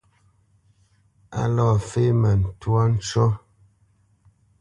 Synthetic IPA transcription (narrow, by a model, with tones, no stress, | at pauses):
a̰˦lɔ˦˨fe˦mɛ˨n̩˨twa˦n̩˦t͡ʃɔ˦